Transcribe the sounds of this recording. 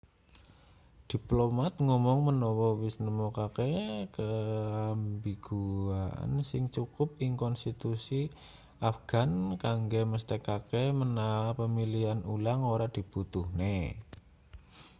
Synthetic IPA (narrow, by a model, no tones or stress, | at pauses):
d̪̥i̤plomat̪̚ŋɔmɔŋmənɔwɔwɪsnəmɔkakekəambiɡ̥uaa̰nsɪŋt͡ʃukʊp̚ɪŋkɔnst̪it̪usi | afɡ̥ankaŋɡeməst̪ekakemənaapəmilianulaŋoɾad̥i̤b̥ut̪uhne